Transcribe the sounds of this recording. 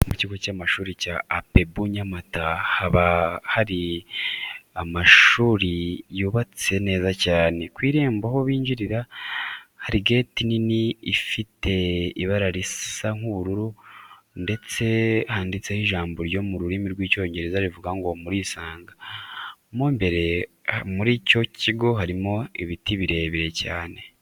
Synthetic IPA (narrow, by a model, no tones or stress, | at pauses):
muciɡocaːmaʃuːɾicaːpe̞buɲamatahaβahaɾi | amaʃuːɾijuːβat͡se̞ne̞ːzacaːne̞kwiːɾe̞ːmbaho̞βiːɲɟiɾiɾa | haɾiɡe̞ːtininiifitʰe̞iβaɾaɾisaŋ̥uβuɾuɾu | nde̞t͡se̞haːndit͡se̞hiʒaːmboɾjo̞muɾuɾimiɾɡwiːco̞ːɲɟe̞ɾezaɾivuɡaŋɡo̞muɾiːsaːŋɡa | mombe̞ɾe̞muɾiːco̞ciɡo̞ɦaɾimo̞iβitiβiɾe̞ːβiɾe̞caːne̞